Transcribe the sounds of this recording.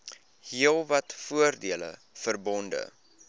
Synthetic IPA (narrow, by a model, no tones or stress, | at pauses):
hiəlˠvɐtfuərdiələ̰ | fərbɔndə̰